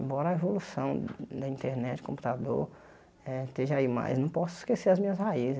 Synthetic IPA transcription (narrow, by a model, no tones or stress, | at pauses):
bɔɾɐevolusɐ̃w̃d̪ɐĩnt̪eɾnɛt͡ʃɪ̥kõpu̥t̪ad̪oɾ | ɛt̪eʒɐaima̰jznɐ̃w̃pɔsʊi̥skeseɾɐzmĩɲɐsɦaizɪ